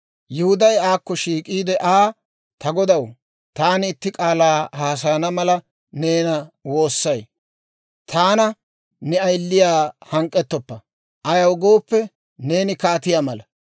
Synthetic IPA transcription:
jɛhʊd̪ɐjaːkːɔʃiːkʼiːd̪ɛʔaː | t̪ɐɡɔd̪ɐw | t̪aːnɪɪt̪ːɪkʼaːlaːhaːs̬ɐjɐnɐmɐlɐ | ne̞ːnɐwo̞ːsːɐj | t̪ʰaːnɐ | nɛɐjlːɪjaːhɐŋkʼːɛt̪ːɔpːɐ | ʔɐjɐwɡo̞ːpːɛ | ne̞ːnɪkaːt̪ɪjaːmɐlɐ

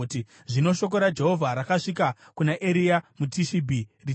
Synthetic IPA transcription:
ti | ʐino̞ʃo̞k̬o̞ɾad͡ʒe̞ɦo̞vʱaɾakaʂika | kunaʔeɾiamutiʃibʱiri

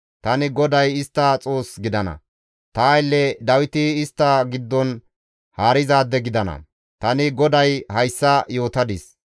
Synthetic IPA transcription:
t̪ɐnɪɡɔd̪ɐjɪst̪ːɐt͡sʼo̞ːsɡɪd̪ɐnɐ̰ | t̪ɐjlːɛd̪ɐwɪt̪ɪːst̪ːɐɡɪd̪ːɔn | haːɾɪzaːd̪ːɛɡɪd̪ɐnɐ̰ | t̪ɐnɪɡɔd̪ɐjhɐjsːɐjo̞ːt̪ɐd̪ɪs

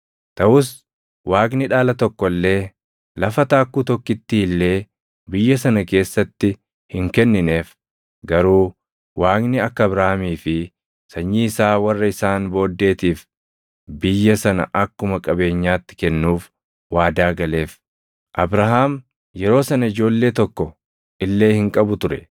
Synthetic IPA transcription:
t̪ɐʔʊs | waːknɪᶑaːlɐt̪ɔkːɔlːe̞ː | lɐfɐt̪aːkːuːt̪ɔkːɪt̪ːɪɪlːe̞ː | bɪjːɐsɐnɐke̞ːsːɐt̪ːɪ | hɪŋkɛnːɪne̞ːf | ɡɐɾuː | waːknɪɐkːɐɐbɾahamiːfɪ | sɐɲːiɪsaːwɐrːɐɪsaːnbo̞ːd̪ːe̞ːt̪iːf | bɪjːɐsɐnɐ̰ʔɐkːʊmɐkʼɐbe̞ːɲːaːt̪ːɪ̥kɛnːuːf | waːd̪aːɡɐle̞ːf | ʔɐbɾaɦaːm | jɛɾo̞ːsɐnɐɪd͡ʒo̞ːlːe̞ːt̪ɔkːɔ | ʔɪlːe̞ːhɪŋkʼɐbʊt̪ʊɾɛ

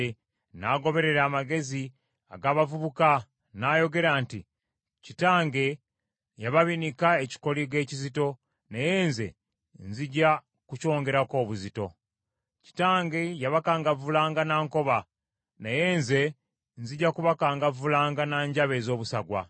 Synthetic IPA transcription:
naɡo̞βe̞ɾe̞ɾaːmaɡe̞zi | a̰ɡaːβavuβuka | najo̞ɡe̞ɾaːnti | citaːŋɡe̞ | jaβaβinikaeci̥ko̞liɡe̞ːcizito̞ | naje̞ːnze̞̰ | nziɟa | kuco̞ːŋɡe̞ɾako̞ːβuzito̞̰ | ci̥taːŋɡe̞jaβakaːŋɡavulaːŋɡanaːŋko̞βa | naje̞ːnze̞ | nziɟakuβakaːŋɡavulaːŋɡanaːɲɟaβe̞zo̞ːβusaɡwa̰

